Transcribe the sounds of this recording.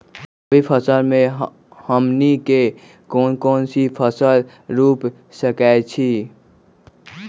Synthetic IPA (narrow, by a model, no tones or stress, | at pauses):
bipʰəsəlmẽ | həmnike | konkonsipʰəsəl | ɾup | səkajt͡ʃʰi